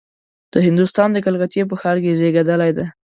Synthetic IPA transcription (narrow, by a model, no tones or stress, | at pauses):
d̪̥əhɪnd̪ʊst̪ɑnd̪əkalɣat̪jep̬əxɑɾkezeɡad̪əlajd̪a